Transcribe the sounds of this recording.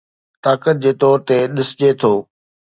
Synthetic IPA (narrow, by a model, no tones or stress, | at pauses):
t̪aːkət̪̚d͡ʑeːt̪ɔːɾt̪eɗɪsd͡ʑet̪ʰoː